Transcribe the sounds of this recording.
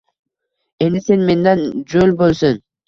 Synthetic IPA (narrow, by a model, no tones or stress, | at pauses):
e̞nd̪ise̞nme̞nd̪ænd͡ʒølʲbolˠsun